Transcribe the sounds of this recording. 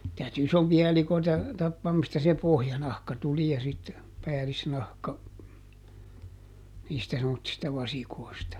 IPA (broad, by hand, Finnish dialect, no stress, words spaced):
tæyty isompiɑ elikoitɑ tɑpːɑːm mistæ se pohjɑnɑhkɑ tuli jɑ sit pæːlisnɑhkɑ niːstæ semːotːistɑ ʋɑsikoi̯stɑ